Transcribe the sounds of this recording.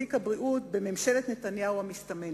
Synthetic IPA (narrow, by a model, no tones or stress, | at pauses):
ikhabʁiʔutbe̞me̞mʃe̞let̪net̪anjauhamist̪ame